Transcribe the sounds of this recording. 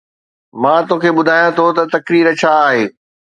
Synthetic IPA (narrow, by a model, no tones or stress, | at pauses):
mãːt̪oːkʰeːɓʊd̪ʱaːjãt̪ʰot̪ɐt̪ɐkɾiːɾət͡ɕʰaːɦeː